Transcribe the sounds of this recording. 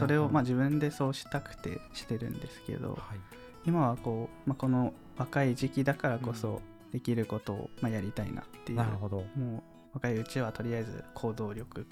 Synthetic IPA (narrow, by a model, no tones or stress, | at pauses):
so̞ɾe̞o̞maʑiβɯ̟̃nd̪e̞so̞ːɕi̥t̪akɯ̟̥t̪e̞̰ɕi̥t̪e̞ɾɯ̟̰̃nd̪e̞sɨ̥ke̞̰d̪o̞̰ | imaβako̞ːmako̞no̞ | βakaiʑikʲid̪akaɾako̞so̞̰ | d̪̥e̞kʲiɾɯ̟ko̞t̪o̞̰ːmajaɾʲit̪aḭna̰t̪ːe̞jd̪omo̞ː | βakaiɯ̟t͡ɕiβat̪o̞ɾʲiaezɨ̰kʰo̞ːd̪o̞ːɾʲo̞kɯ̟